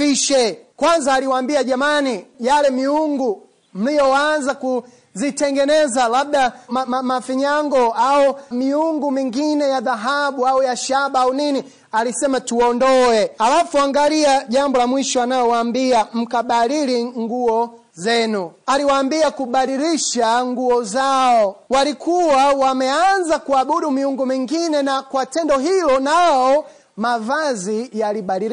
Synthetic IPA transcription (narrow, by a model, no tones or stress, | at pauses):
fiʃɛkwanzaːliwaːmbiaʄamanijalɛmiuŋɡu | m̩lijɔanzaku | zitɛŋɡɛnɛzalab̚ɗamamamafiɲaŋɡɔaumiuŋɡumiŋɡinɛjaðaɦaɓuaujaʃaɓaaunini | alisɛmatuɔndɔɛalafuaŋɡaliaʄambɔlamwiʃɔanajɔwaːmbiam̩kaɓaliɾiŋɡuɔ | zɛnualiwaːmbiakuɓaɾiɾiʃaŋɡuɔzaɔwalikʰuwawamɛanzakuaɓuɗumiuŋɡumiŋɡinɛnakwatɛndɔɦilɔnaɔ | mavazijaliɓaɾiɾ